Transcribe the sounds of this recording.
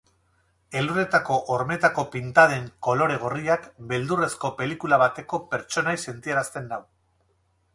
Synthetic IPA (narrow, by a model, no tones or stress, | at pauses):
e̞lure̞t̪ako̞ʔoɾme̞t̪ako̞pint̪að̞e̞ŋko̞lo̞ɾe̞ɣ̞oriakbe̞ld̪ure̞sko̞pe̞likulaβat̪e̞ko̞pe̞ɾt͡ʃo̞najse̞nt̪ieɾast̪e̞nːaw